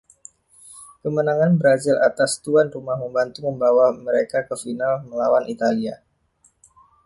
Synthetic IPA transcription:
kəmənaŋanbəɾazilat̪ast̪uanrumahməmbant̪uməmbawaməɾekakəfinalməlawanit̪alia

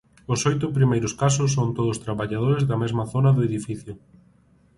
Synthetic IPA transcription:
ʊsojt̪ʊpɾimejɾʊskas̬ʊs̬ːont̪oðʊst̪ɾaβaʎað̞oɾezðɐmezmɐθonɐðʊeðifiθjʊ

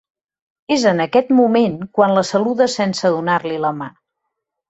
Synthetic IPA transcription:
ezənəkɛt̪mumenkwanləsəluðəsɛnsəðunarliləma

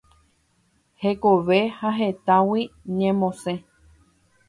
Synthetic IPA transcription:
hekoʋe̞haɦe̞t̪ãwiɲẽmõsẽ

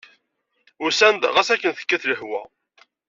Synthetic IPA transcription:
ʊsænd̪ʁæsækːənθə̥kːæθləħwæ̰

